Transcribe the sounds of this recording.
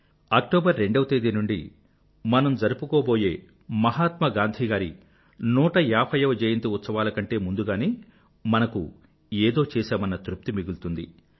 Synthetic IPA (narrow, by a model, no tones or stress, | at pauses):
ɐk̚ʈoːbɐɾːeɳɖɐʋɐt̪ɐd̪inuɳɖḭ | mɐnɐmd͡ʒɐɾupukoːbo̞ːjḛː | mɐɦaːt̪mɐɡaːnd̪ʱiɡaːɾi | nuːʈɐaːpʰɐjɐʋɐd͡ʒejɐnt̪uut̪sɐʋaːlɐkɐɳʈe̞ːmund̪uɡaːneː | mɐnɐku | eːd̪o̞ːt͡ʃɛːseːmɐnɐt̪ɾup̚t̪imiɡult̪und̪ḭ